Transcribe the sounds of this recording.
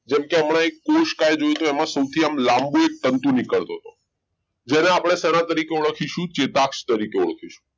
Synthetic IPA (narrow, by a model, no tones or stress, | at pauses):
d͡ʒɛmkeəmɳ̃ãekːoʃkajd͡ʒojut̪oɛmãsəwt̪ʰiamlãmbuek̚t̪ənt̪unikəɭt̪oɦət̪o | d͡ʒeneapɽ̃esɛñãt̪əɾikeuɭkʰiʃũt͡ʃet̪akʃt̪əɾikeuɭkʰiʃũ̥